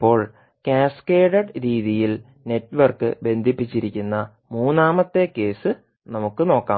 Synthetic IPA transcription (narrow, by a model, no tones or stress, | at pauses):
ipːo̞ːɭ | kʲaːske̞ːɖɐɖɾiːðijil | ne̞tːʋɐrkːɨ̰be̞nd̪ʱipːit͡ɕːiɾikʲːunːɐ | muːnːaːmɐt̪ːe̞kːe̞ːsɨ | nɐmukːɨno̞ːkːaː